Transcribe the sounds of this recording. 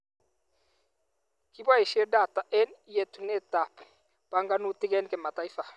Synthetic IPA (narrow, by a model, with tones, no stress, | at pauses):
ki˦bwa˦i˨ʃi˦ɛ˦da˨ta˨ʔɛ˦ni˦je˦tu˨nɛ˦˨ta˨p | pa˦ŋɡa˦nu˦ti˦kɛ˦nkɛ˨ma˨ta˨i˦fa˨